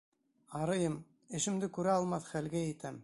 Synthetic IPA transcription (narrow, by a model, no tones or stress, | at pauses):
ɑɾɤ̆jɤm | ɘ̆ʃɘ̆md̪ɘkʉɾæɑlˠmɑθχælɡæɘ̆t̪æm